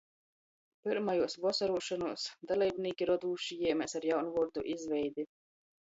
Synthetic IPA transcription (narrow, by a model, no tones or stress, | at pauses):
piɾmajuɔsvɔsaɾuɔʃɔnuɔsd̪alʲɛjbniːkʲiɾɔd̪uːʃijiɛmʲɛsaɾjawnvɔɾd̪uʔizvʲɛjd̪ʲi